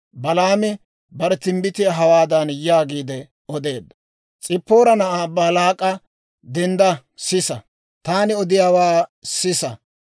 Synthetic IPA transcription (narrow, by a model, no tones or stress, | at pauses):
bɐlaːmɪ | bɐɾɛt̪ɪmbɪt̪ɪjɐɦɐwaːd̪ɐnjaːɡiːd̪ɛ | ɔd̪e̞ːd̪ːɐ̥ | t͡sʼɪpːo̞ːɾɐnɐʔaːbɐlaːkʼɐ | d̪ɛnd̪ɐ | sɪsɐ | t̪aːnɪɔd̪ɪjaːwaːsɪsɐ